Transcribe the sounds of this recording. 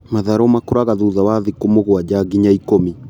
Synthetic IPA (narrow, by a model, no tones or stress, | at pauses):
maðaɾɔmakoɾaɣaðuðawaðikomoɣwad͡ʒaɡiɲaikomi